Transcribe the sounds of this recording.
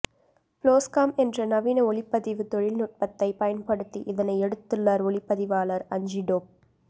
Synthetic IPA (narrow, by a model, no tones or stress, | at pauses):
ploːskaːmɛndrɐnɐʋiːnɐɔlɪpːɐðɪʋɯt̪ɔɻɪlnʊʈ̚pɐt̪ːɐɪpɐjɐnpɐɽɯt̪ːḭʔɪðɐnɐɪɛɽɯt̪ːɯɭːaːɾɔɭɪpːɐðɪʋaːlɐɾɐɲd͡ʒiɖoːp̚